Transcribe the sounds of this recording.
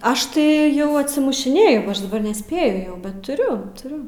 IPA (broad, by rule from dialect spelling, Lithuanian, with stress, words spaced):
ˈɐʃ tɐɪ ˈjɛʊ ɐtʲsʲɪmʊʃʲɪˈnʲeːjʊ ɡoː ˈɐʃ dɐˈbɐr nʲɛˈsʲpʲeːjʊ jɛʊ bʲɛt tʊˈrʲʊ tʊˈrʲʊ